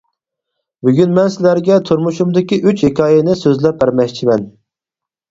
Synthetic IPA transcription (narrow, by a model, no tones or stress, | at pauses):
byɡʲynmɛnsɪlæɾɡʲɛt̪ʰuɾmuʃumd̪ɪkʲiʔyt͡ʃhekʰɑːjɪnɪsøzlɛp̚bæɾmɛkʲt͡ʃʰimɛn